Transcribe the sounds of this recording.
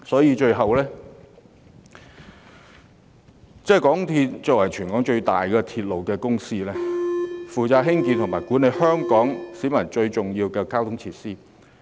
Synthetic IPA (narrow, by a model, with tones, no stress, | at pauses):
sɔː˨˥jiː˨˧t͡ʃɵ˧ɥɦɐ˨wlɛː˥ | t͡sɛː˥˩kɔː˨˥ŋt̪ʰi˧t̚t͡sɔː˨k̚wɐ˨˩jt͡ʃʰyː˨˩nkɔː˨˥ŋt͡ʃɵ˧ɥt̪a̰ː˨jkɛː˧t̪ʰiː˧t̚lo˨˩wkɛː˧kʊ˥ŋsiː˥lɛː˥fuː˨t͡saː˧t̚ɦɪ˥ŋki˧nt̪ʰʊ˨˩ŋmaː˨˩jkuː˨˥nːe˨˥jhœː˥ŋkɔː˨˥ŋsiː˨˥mɐ˨˩nt͡ʃɵ˧ɥt͡sʊ˨˩ŋjiː˧wkɛː˧kaː˥wt̪ʰʊ˥ŋt͡sʰiː˧˥t̚siː˥